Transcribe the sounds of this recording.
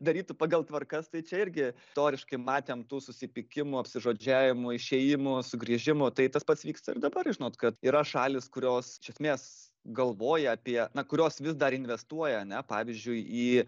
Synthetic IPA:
d̪ɐɾʲiːt̪ʊpɑːɡɐlˠt̪ʋɐrkɐst̪ɐɪt͡ʃʲɛɪɾʲɡʲɪ | t̪oːɾʲɪʃkɐɪmɑːt̪ʲeːmt̪uːsʊsʲɪpʲɪkʲɪmʊɐpʲsʲɪʒoːd͡ʒʲæːʋʲɪmʊɪʃʲeːjɪmʊsʊɡɾʲiʒʲɪmʊt̪ɐɪt̪ɐspɐt̪sʋʲiːkst̪ɐɪrd̪ɐbɐrʒʲɪnoːt̪kɐt̪iːɾɐʃɑːlʲɪskʊɾʲoːsɪʃʲɛsʲmʲeːs | ɡɐlˠʋoːjɛɐpʲiɛnɐkʊɾʲoːsʋʲɪsd̪ɐɾɪnʲʋʲɛst̪uɔjɛɐnʲɛpɑːʋʲɪzʲd͡ʒʲʊɪiː

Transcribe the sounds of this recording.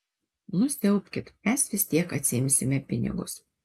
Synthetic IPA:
nʊsʲt̪ʲɛʊpʲkʲɪt̪mʲɛsʋʲɪsʲt̪ʲiɛkɐt̪ʲsʲɪɪmʲsʲɪmʲɛpʲɪnʲɪ̰ɡʊ̰s

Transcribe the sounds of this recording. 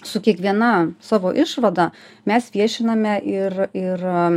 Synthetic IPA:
sʊkʲiɛkʋʲiɛnɐsɑːʋoːʔɪʃʋɐd̪ɐ | mʲɛsʋʲiɛʃʲɪnɐmʲɛʔɪrɪr

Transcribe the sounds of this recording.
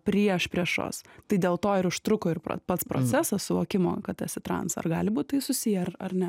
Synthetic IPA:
pʲɾʲiɛʃpʲɾʲiɛʃo̰ːst̪ɐɪdʲeːlˠt̪oːɪɾʊʃt̪ɾʊkʊɪrpo̰pɐt̪spɾo̰t͡s̪ʲæːsɐssʊʋoːkʲɪmoːkɐt̪ɛtʲsʲɪt̪ɾɐ̰nsɐ̰rɡɑːlʲɪbuːt̪̚ʲt̪ɐɪsʊsʲijɛɐrɐrnʲɛ

